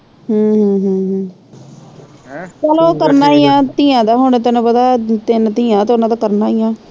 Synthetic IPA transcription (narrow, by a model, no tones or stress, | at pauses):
ɦəːɦə̃ːɦəːɦː | kɛloːkəɾnaːijãːt̪ĩːãːd̪aːɦʊnt̪ɪnpəd̪aːt̪ɪnt̪iːãːt̪oːnãːd̪aːkəɾnaːijãː